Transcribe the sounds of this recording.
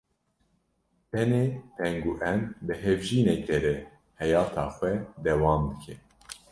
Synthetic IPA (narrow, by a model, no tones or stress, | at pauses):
t̪ɛneːt̪ʰɛŋɡuʔɛnbɨɦɛvʒiːnɛk̚d̪ɛɾɛ | hɛjɑːt̪ʰɑːxʷɛd̪ɛwɑːmd̪ɨkʰɛ